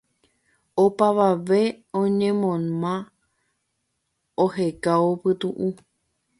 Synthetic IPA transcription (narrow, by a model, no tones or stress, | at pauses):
opaʋaʋe̞ | õɲẽmõnã | oɦe̞kaopɨt̪uʔu